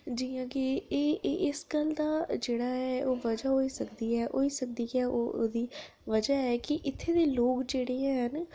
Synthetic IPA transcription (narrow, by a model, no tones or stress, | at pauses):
d͡ʒiːãːkɪeːʔɪsɡəld̪aːd͡ʒeːɽaːɛːʔoːʋəd͡ʒaːɦoːiːsəkd̪iːɛːʔoːiːsək̚d̪iːɛːʔoːd̪iː | ʋəd͡ʒaːɛːkɪʔɪt̪ʰːeːd̪eːloːkd͡ʒeːɽeːãːɦən